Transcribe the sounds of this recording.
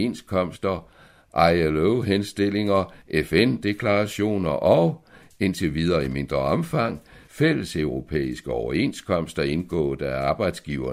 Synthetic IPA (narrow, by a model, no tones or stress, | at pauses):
enskʰɒ̽m̰sd̥ɐ | ʔɑ̈ɪloʊɦensd̥e̝l̰e̝ŋɐʔefend̥e̝kʰlɑ̈ʁɑɕo̝̰ːnɐʔɒʊ | e̝nt͡sʰe̝ʋið̞ˠɐːime̝nd̥ʁɐɒ̽mfɑ̈ŋ̰fel̰əsøʊʁo̝pʰḛːisɡ̥əɒʊɐe̝̰nskʰɒ̽m̰sd̥ɐe̝nɡ̥ɔ̰̽ːd̥æɐɑ̈ːb̥ɑ̈ɪd̥sɡ̥iːʊɐ